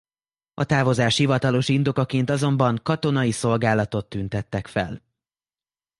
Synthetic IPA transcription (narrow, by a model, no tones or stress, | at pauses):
ɒt̪aːvo̞zaːʃhivɒt̪ɒlo̞ʃind̪o̞kɒkeːnt̪ɒzo̞mbɒŋkɒt̪o̞nɒjiso̞lɡaːlɒt̪o̞t̪ːynt̪ɛt̪ːɛkfɛ̰l